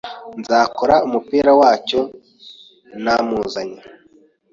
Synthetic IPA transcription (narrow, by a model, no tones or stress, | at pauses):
nzaːkoɾaumupiːɾawaːco̞ | namuːzaɲa